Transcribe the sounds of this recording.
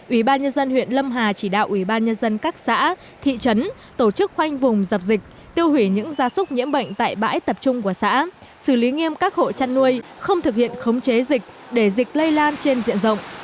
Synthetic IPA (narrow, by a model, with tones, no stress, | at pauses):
ʔwi˧˩ɓaː˧nɲə˧nzə˧nwḭ˧˨ənlə˧mɦaː˨˩t͡ɕi˧˩ɗa̰ː˧˨wʔwi˧˩ɓaː˧nɲə˧nzə˧nkaː˦˥k̚sa̰ː˧˥ | t̪ʰḭ˧˨t͡ɕə˨˦n | t̪o˧˩t͡ɕɨ˦˥k̚xwa˧jŋ̟vʊ˨˩ŋ͡mzə˨˩p̚zi˨˩k̚ | t̪i˧əwhwi˧˩ɲɨ̰˧˥ŋzaː˨˦sʊ˦˥k͡p̚ɲḭ˧˥əmɓə̰˧˨jŋ̟t̪a̰ː˧˨jɓa̰ː˧˥jt̪ə˨˩p̚t͡ɕʊ˧ŋ͡mku˧˩əsa̰ː˧˥ | sɨ˧˩li˨˦ŋi˧əmkaː˦˥k̚ho̰˧˨t͡ɕa˧nːu˧əjxə˧wŋ͡mt̪ʰɨ˨˩k̚hḭ˧˨ənxə˨˦wŋ͡mt͡ɕe˨˦zï˨˩k̟̚ | ɗe˧˩zï˨˩k̟̚lə˧jlaː˧nt͡ɕe˧nzḭ˧˨ənzə̰˧˨wŋ͡m